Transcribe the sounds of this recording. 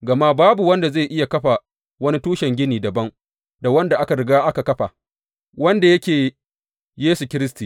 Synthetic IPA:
ɡɐ˨ma˦baː˦bu˨wɐ˦nda˨ze˦˨ʔɪ˦ja˨kɐ˦ɸa˨ | wɐ˦ni˦tuː˦ʃɛ˨ŋɡʲɪ˦niː˨dɐ˨bɐ˦ŋ | da˨wɐ˦nda˨ʔa˦ka˨ɽɪ˨˦ɡaː˦ʔa˦ka˨kɐ˦ɸa˨ | wɐ˦nda˨jɐ˦kʲeː˨ | jeː˦su˨kʲɪ˦ɾɪ˦s̬tiː˨

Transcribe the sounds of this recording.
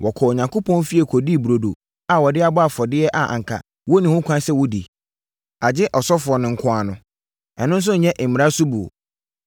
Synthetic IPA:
wʔɔ˨kʰɔ˨o˨ɲã˨ŋko˦pʰɔ̃˦nfi˦e˨kʰɔ˨di˦˨bu˨ɾo˨do̰˨ | a˨wɔ˨dɪ˦a˦bɔ˦a˨fɔ˨dɪ˦ɛ˦ʔa˨ʔã̰˨ŋ̩˨kʰa̰˨ | wɔ˦nĩ˨hʊ̃˦kʰʷã˦sɛ˦wʊ˦dḭ˨ | a˨d͡ʑɪ˦ʔɔ˨sɔ˦fʊ˨ɔ˨nɪ̃˨ŋ̩˦kʰʊ̃˦a˨nʊ̃˨ | ɛ˨nʊ̃˦n˦s̬ʊ˦ɲ̩˨ɲɛ̃˦ʔ̩˨mĩ˨ɾa˦sʊ˦bu˨o̰˨

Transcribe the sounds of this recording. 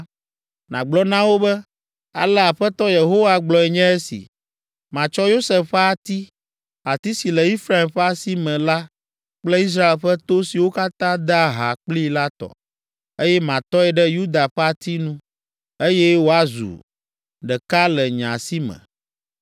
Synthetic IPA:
nã̰˨ɡ͡blɔ˦nã˦wo˦bɛ˦ | a̰˨lɛ˦a˨ɸɛ˦t̪ɔ˦je˨ɦo˦wa˨ɡ͡blɔ˨ɛ˨ɲɛ̃˦e˦sḭ˨ | mã˨t͡ʃɔ˦jo˦sɛ˨fɸɛ˦a˨t̪i˦ | a˨t̪i˦si˨lɛ˨i˦fɾa˦e˨mɸɛ˦a˦si˦mɛ̃˨la˦ | k͡plɛ˦i˦s̬ɾa˦e˨lɸɛ˦t̪o˦si˨wo˦ka˦t̪ã˦d̪ɛ˦a˦˨ɦa̰˨k͡pli˦la˦t̪ɔ̰˨ | e˦jɛ˦mã˨t̪ɔ˦ɛ˨ɖɛ˦ju˦d̪a˨ɸɛ˦a˨t̪i˦nũ˦ | e˦jɛ˦wo˦a˦zṵ˨ | ɖɛ˨ka˦lɛ˨ɲã̰˨si˦mɛ̰̃˨

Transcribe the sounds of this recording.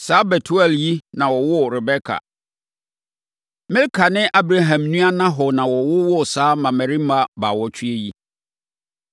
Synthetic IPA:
saː˦bɛ˨tʰu˦ɛ˨lji˦nã˨wɔ˨wʊ˦ɾɛ˨bɛ˦kʰa̰˨ | mɪ̃˦lkʰa˨nɪ̃˦ʔa˦bɾa˦ɦã˨mnũ˦a˦nã˦ɦɔ˨nã˨wɔ˨wʊ˦wʊ˦saː˨˦mã˨mæ̃˨ɾĩ˦m̩˦ba˦ba˨wɔ˦t͡ɕʰᶣi˦e˦ji˦

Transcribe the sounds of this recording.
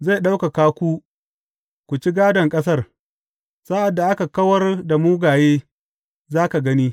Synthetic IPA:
za˦˨jɗa˦wka˨kaː˦kʷu˦ | kʷu˨t͡ʃi˦ɡaː˦dɐ˨ŋkʼɐ˦s̬ɐ˦r | sa˦ʔa˨dːa˨ʔa˦ka˨kɐ˦wɐ˦rda˨muː˦ɡaː˨jeː˦ | zaː˦ka˨ɡɐ˦niː˦

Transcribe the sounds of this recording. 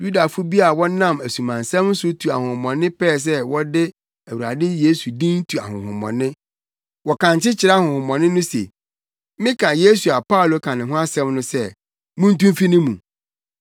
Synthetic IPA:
ju˦da˨fʊ˦bi˦a˨wɔ˦nã˦˨mæ˨sũ˨mã˨n˨sɛ̃˦mn̩˦sʊ˦tʰu˨a˨hʊ̃˨hʊ̃˨mɔ̃˨nɪ̃˦pʰɛː˦˨s̬ɛ˦wɔ˦dɪ˦ | æ˨wu˨a̰˨dɪ˦je˦su˨dĩ˦n̩˦tʰu˨a̰˨hʊ̰̃˨hʊ̰̃˨mɔ̰̃˨nɪ̃˦ | wɔ˨kʰã˨ɲt͡ɕɪ˦t͡ɕʰɪ˨ɾa˦a˦hʊ̃˨hʊ̃˨mɔ̃˨nɪ̃˦nʊ̃˦sḛ˨ | mɪ̃˦kʰã˨je˦su˨a˨pa˦˨lo˦kʰã˨nɪ̃˨ɦʊ̃˦a˦sɛ̃˦mnʊ̃˦sɛ˦˨ | mũ˦n̩˦tũ˦mfi˦nĩ˦mũ˨

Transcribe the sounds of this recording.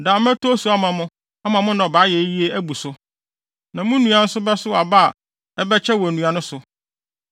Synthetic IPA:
da˨m˦ɛ̃˦tʰo˦su˨˦a˦mã˨mʊ̃˦ | a˦mã˨mʊ̃˦nã˨ɔ˨baː˨˦jɛ˨˦ji˦e˦æ˦bu˨sʊ˦ | nã˨mʊ̃˦nũ˨ã˨nʊ̃˦sʊ˦bɛ˦sʊ˦a˨ba˦a˨ | ɛ˦bɛ˦t͡ɕʰɛ˦wɔ˨æ˨nũ˨a˨nʊ̃˦sʊ˨

